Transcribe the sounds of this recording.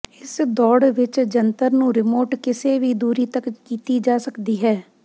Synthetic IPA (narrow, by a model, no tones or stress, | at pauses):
ɪsd̪ɔːɽʋɪt͡ʃd͡ʒənt̪əɾnũɾɪmoːʈkɪseːʋiːd̪uːɾit̪əkkiːt̪id͡ʒaːsəkd̪iːɦɛː